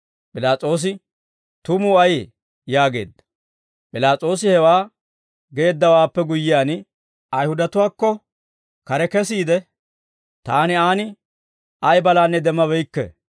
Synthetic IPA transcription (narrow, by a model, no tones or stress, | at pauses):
pʼɪlaːt͡sʼo̞ːs̬ɪ | t̪ʊmuːɐje | jaːɡe̞̰ːd̪ːɐ̥ | pʼɪlaːt͡sʼo̞ːsɪhɛwaː | ɡe̞ːd̪ːɐwaːpːɛɡʊjːɪjaːn | ɐjhʊd̪ɐt̪ʊwaːkːɔ | kɐɾɛkɛsiːd̪ɛ | t̪aːnɪaːnɪ | ɐjbɐlaːnːɛd̪ɛmːɐbɛjkːɛ̰